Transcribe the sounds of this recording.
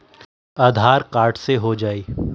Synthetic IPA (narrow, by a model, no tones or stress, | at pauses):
aːd̪ʱaːɾkaːɾʈseɦod͡ʒaːiː